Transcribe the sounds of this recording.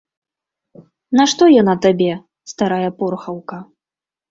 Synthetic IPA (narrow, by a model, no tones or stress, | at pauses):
naʂt̪ɔjɔnat̪abʲɛ | st̪aɾajɐpɔrxɐwkɐ